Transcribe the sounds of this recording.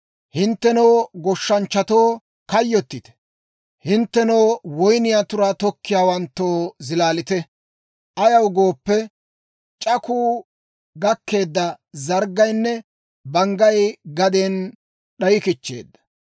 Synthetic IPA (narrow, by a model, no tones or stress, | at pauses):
hɪnt̪ːɛnoːɡɔʃːɐnt͡ʃːɐt̪oː | kɐjːɔt̪ːɪt̪ɛ̥ | hɪnt̪ːɛnowwɔjnɪjat̪ʊɾaːt̪ɔkːɪjaːwɐnt̪ːoːzɪlaːlɪt̪ɛ | ʔɐjɐwɡoːpːɛ | t͡ʃʼɐkuː | ɡɐkːe̞ːd̪ːɐ | zɐɾɡɐjnːɛ | bɐŋɡɐjɡɐd̪eːn | ɗɐjɪkɪt͡ʃːe̞̰ːd̪ːɐ̥